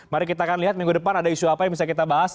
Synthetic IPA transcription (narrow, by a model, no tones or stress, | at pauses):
maɾikit̪aːkanliɦat̪̚miŋɡudəpanadaiʃuapajaŋbisakit̪abaɦas